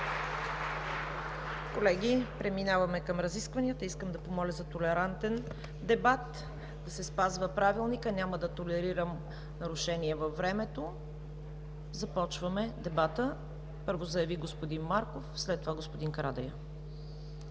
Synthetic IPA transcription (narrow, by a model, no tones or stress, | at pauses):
kolɛɡ̟ipɾɛminavɐmɛkɐmɾɐziskvɐnʲiət̪əiskəmd̪ɐpomɔlʲəzɐt̪olɛɾant̪ɛn | d̪ɛbat̪ | d̪ɐsɛspazvəpɾavilˠnikənʲaməd̪ɐt̪olɛɾiɾəm | nɐɾʊʃɛniɛvɐfːɾɛmɛt̪o | zɐpɔt͡ʃvəmɛd̪ɛbat̪ə | pɤɾvozɐjɐviɡospod̪inmaɾkofslɛt̪ːovaɡospod̪inkɐɾad̪ɛjə